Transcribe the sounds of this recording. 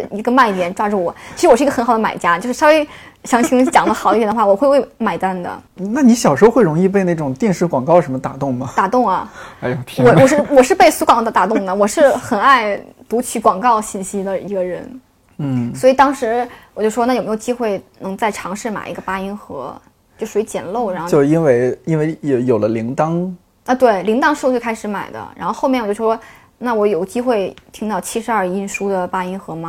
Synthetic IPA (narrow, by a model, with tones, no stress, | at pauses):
i˧˥ɡə˧ma˥˩ni˥˩t̪̬jɛ˨˩nʈ͡ʂwa˥ʈ͡ʂu˥˩wɔ˨˦t͡ɕt͡ɕʰi˧˥ɻ̩˥wɔ˨˩ʂɻ̩˥˧˥xnxd̪ə˧ma̰˨˩ɪt͡ɕja˥t͡ɕjo˥˧ʊʂɻ̩˥˧ʂɑ˥˧we˥˩ɪ | ɕjɑ˧˥ŋt͡ɕʰi˧˥t͡ɕjɑ˨˩ŋd̪ə˦xdə˧˥ɛ˨˩nəxwwɔ˨˩xwwe˥˩ɪma˨˩ɪt̪a˥˩nd̪ə̰˨˩na˥˩ni˧˥ɕjɑ˨˩ʊʂɻ̩˧˥o˥xwɪɻʊ˧˥ŋi˥˧pe˥˧na˥˩ʈ͡ʂʊ˨˩ŋt̪jɛ˥˧nʂɻ̩˥˩kwɑ˨˩ŋkɑ˥ʊʂə˧˥mə˧t̪a̰˨˩t̪ʊ˥˩ŋmɐ˩t̪a˨˩t̪ʊ˥˩ŋɐ˩˧˥ | wɔ˧˩wɔ˨˩ʂɻ̩˥˩wɔ˨˩ʂɻ̩˥˧pe˥˩ɪsu˧˥kwɑ˨˩ŋ˥d̪ə˧˩t̪a˨˩t̪ʊ˥˩ŋd̪ə˩wɔ˨˩ʂɻ̩˥˩xə˨˩na˥˩ɪt̪u˧˥t͡ɕʰy˧˥˩kwɑ˨˩ŋkɑ˥˧ʊɕi˥˩nɕi˥d̪ə˨i˧˥ɡə˧ɻə˧˥n̩˥˩ | swɔ˧˥i˨˩t̪ɑ˥ŋʂɻ̩˧˥wwɔ˨˩t͡ɕjo˥˩ʂʂwna˥˩jme˥jo˨˩t͡ɕi˥xwe˥˩ɪnɤ˧˥ŋt͡sa˥˩ɪʈ͡ʂʰɑ˧˥ŋʂɻ̩˥˩ma̰˨˩ɪʔi˧˥ɡə˧pa˥i˥nxɤ˧˥ | t͡ɕjo˥˧ʊʂwe˧˥ɪt͡ɕjɛ̰˨˩nlo˥˩ʊɻa˧˥xt͡ɕo˥˧ʊ˧i˥nwe˥˩ɪi˥nwe˥ɪjjo˨˩ʊlə˦li˧˥ŋt̪ɑ˥ŋ | a˥˧t̪we˥˩ɪli˧˥ŋt̪ɑ˥ŋʂɻ̩˥˧t͡swe˥˧ɪkʰa˥ʂɻ̩˧˥ma̰˨˩ɪd̪ə̰˦ɻa˧˥xo˥˧ʊxo˥˧mɛ˥˩jo˥˩˥ʂwɔ˥ | na˥˩wɔ˧˥jo˨˩ʊt͡ɕi˥xwe˥˩ɪt̪ʰi˥ŋt̪ɑ˥˩ʊt͡ɕʰi˥ʂɻ̩˧ɐ˞˥˩i˥˩nʂu˥d̪ə˨pa˥i˥nxɤ˧˥mɐ˧